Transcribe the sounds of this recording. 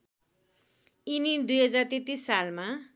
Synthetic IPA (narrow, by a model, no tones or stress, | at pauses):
inid̪ujɦʌd͡zart̪et̪isːalma